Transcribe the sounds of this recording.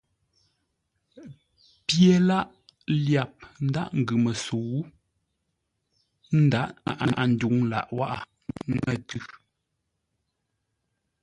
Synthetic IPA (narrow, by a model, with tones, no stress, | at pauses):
pje˨la˦ʔ | lja˨p̚n̩˦da̰˦ʔŋ̩˨ɡʉ˨mə˨so˨wu˦ | n̩˦da˦ʔa̰˦˨ʔa˨ʔa˨n̩˨du˨˦ŋla̰˨ʔwa˦ʔa˨˦ | ŋə˨tʉ˦˨